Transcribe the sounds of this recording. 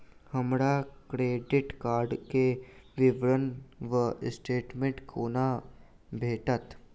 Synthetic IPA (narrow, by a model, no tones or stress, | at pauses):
həmɽakɾeːɖɪʈkaːɾɖkeʋɪʋɾənʋəsʈeːʈmẽɳʈkʰoːna | bʱeːʈət̪